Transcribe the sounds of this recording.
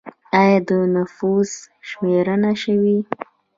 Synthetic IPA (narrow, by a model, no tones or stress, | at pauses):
ajad̪ənʊfuz | ʃmeɾənaʃəwi